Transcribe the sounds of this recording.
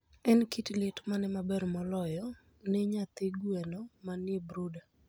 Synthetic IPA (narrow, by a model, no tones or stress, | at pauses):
ɛnkitlɪtmanɛmabɛɾmɔlɔjɔ | nɪɲat̪eɡwɛnɔmanjebɾuda